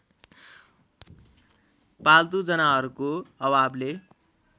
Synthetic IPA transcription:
palt̪ud͡zʌnaɦʌɾukoʌbable

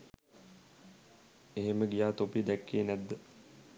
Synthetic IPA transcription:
eɦeməɡijaːt̪opid̪ækːeːnæd̪ːə

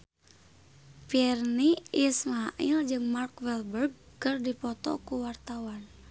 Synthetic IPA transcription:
pirniismaʔild͡ʒɨŋmarkwɛlbərɡ̚ | kərdipɔt̪ɔ̰kuwart̪awan

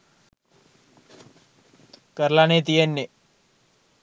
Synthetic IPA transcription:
kəɾlanet̪̬ijenːe

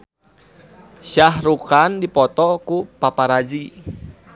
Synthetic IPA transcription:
ʃaɦɾukandipɔt̪ɔkupapaɾad͡ʒi

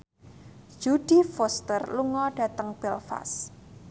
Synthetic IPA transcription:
d͡ʒud̥i̤fost̪ərluŋɔɖ̥ä̤t̪əŋb̥ɛlfa̰s

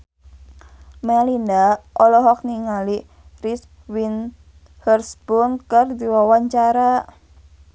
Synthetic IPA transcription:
mɛlindaʔɔlɔɦɔk̚niŋali | ris | win | hərsbunkərdiwawaɲt͡ʃaɾa

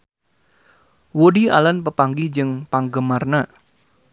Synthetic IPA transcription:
woɖia̰lənpəpaŋɡid͡ʒɨŋpaŋɡəmarnə

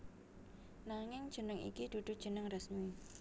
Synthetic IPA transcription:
naŋɪŋd̥ʒ̥ə̤nəŋḭkid̪̥ṳd̪̥ṳd̥ʒ̥ə̤nəŋrəsɲui

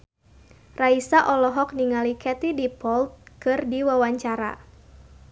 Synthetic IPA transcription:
raisaʔɔlɔɦɔk̚niŋalikʰɛt̪idipɔlt̪̚kɨrdiwawaɲt͡ʃaɾa̰

